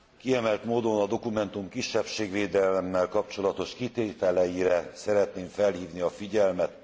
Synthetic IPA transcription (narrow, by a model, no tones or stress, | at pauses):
kiɛmɛlt̪moːd̪o̞nɒd̪o̞kumɛnt̪umkiʃːɛpʃeːɡʋeːd̪ɛlɛmːɛlkɒpt͡ʃo̞lɒt̪o̞ʃkit̪eːt̪ɛlɛjiɾɛsɛɾɛt̪neːɱfɛlhiːvniɒfiɟɛlmɛt̪